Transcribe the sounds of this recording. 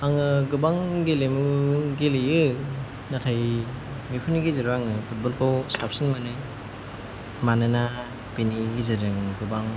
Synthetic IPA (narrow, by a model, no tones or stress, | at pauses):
aŋɯɡɯbaŋɡelemuɡelejɯ | natʰaj | mipʰuniɡizɯɾaŋɯpʰut̚bɔlkʰowstap̚sinmanɯ | manɯna | peniɡizɯɾɯŋɡɯbaŋ